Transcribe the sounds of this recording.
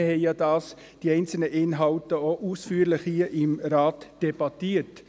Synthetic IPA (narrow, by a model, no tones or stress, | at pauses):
hɛɪjɑdɑːs | d̥iɛɪnt͡sl̩nəʔɪnɦɑltəoʔusfyːəɾlɪχhiːəʔɪmɾɑːtd̥eb̥ɑtiːət